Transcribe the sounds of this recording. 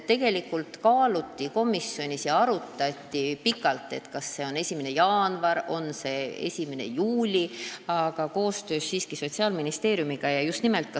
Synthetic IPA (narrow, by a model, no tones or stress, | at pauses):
e̞ɡ̥e̞likːˑult̪kɑːlut̪ʲːiko̞misjo̞nʲisjɑɑɾut̪ːˑɑt̪ʲːipikːˑɑlt̪ːˑe̞t̪kɑsːe̞o̞ne̞sʲimene̞jɑːnvɑɾo̞nse̞e̞̰sʲimene̞̰juːlʲiɑɡ̥ɑko̞ːst̪ø̞ːsːiːskiso̞t̪ʲsiɑːlminist̪e̞ːɾjumiɡ̥ɑjɑjust̪nimelt̪̚kɑ